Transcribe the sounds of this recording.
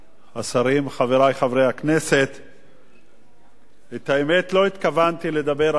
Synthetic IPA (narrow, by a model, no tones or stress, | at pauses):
asaʁimχaveʁajχavʁejhakne̞set̪ | et̪aemet̪lo̞it̪kavant̪ile̞d̪abe̞ʁ